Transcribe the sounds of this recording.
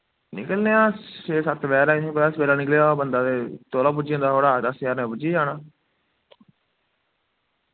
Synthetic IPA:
nɪkəlneãːseːsət̪ʋɛːɾaːɪnĩːpəd̪aːsʋeːɾaːnɪk̬leabənd̪aːt̪eːt̪oːlãːp̬ʊd͡ʒiːõnd̪aːoːɽaːd̪aːsjaːɾnẽːpʊd͡ʒiːd͡ʒaːnaː

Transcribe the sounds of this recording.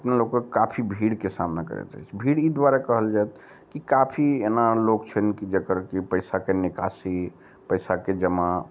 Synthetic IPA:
əpnalokkekapʰibʱiɽkesamnakə̰ɾɛ̰t̪a̰ɦt͡ʃʰbʱiɽid̪waɾakəɦəld͡ʒajt̪ | kikapʰienalokt͡ʃʰənkid͡ʒəkəɾkipəɪsakenikasi | pəɪsaked͡ʒəma

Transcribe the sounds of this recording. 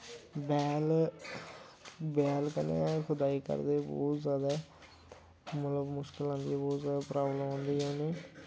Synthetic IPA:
bɛːl | bɛːlkənḛːkʰʊd̪aːiːkə̰ɾd̪eːbɔ̰ːt̪zjaːd̪a | mət̪ləbmʊʃkɪlãːnd̪iːbɔːt̪zjaːd̪apɾaːbləmõːnd̪iːõːniː

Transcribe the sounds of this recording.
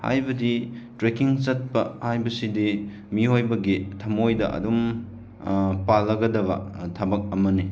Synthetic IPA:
ha̰jbɐditɾekiŋt͡ʃɐt̚pɐhajbɐsidi | miɦojbɐɡitʰɐmojdɐ̰ʔɐ̰dum | palːɐɡɐdɐβɐ̰tʰɐbɐk̚ɐmɐni

